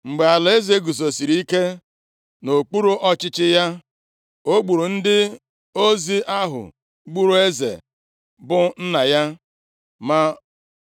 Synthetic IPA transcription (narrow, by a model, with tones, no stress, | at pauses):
ŋ͡m̩˨ɡ͡be˨a˨le˦ze˦ɡu˨zo˨si˨ɾi˦ke˦ | no˨k͡pu˦ɾu˦ʔɔ˦t͡ʃɪ˦t͡ʃɪ˦ja˦ | o˦ɡ͡bu˨ɾu˨n̩˦dɪ˦ | o˦zi˦ʔa˦ɦʊ̰˨ | ɡ͡bu˦ɾu˦e˦zḛ˨ | bʊ˦n̩˦na˨ja˦ | ma˦